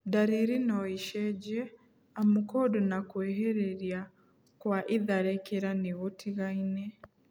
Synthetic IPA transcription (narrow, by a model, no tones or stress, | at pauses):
daɾiɾinɔiʃɛd͡ʒɛ | amukɔdonakwɛɦɛɾeɾia | kwaʔiðaɾɛkeɾaneɣotʰiɣainɛ